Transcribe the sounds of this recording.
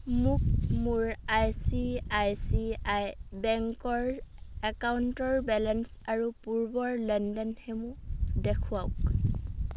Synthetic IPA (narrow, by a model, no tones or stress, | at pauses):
mʊkmʊɹajsiajsiajbɛŋkɔɹɛkawntɔɹbɛlɛnsaɹupuɹbɔɹlɛndɛnhɛmũdɛkʰuaʊk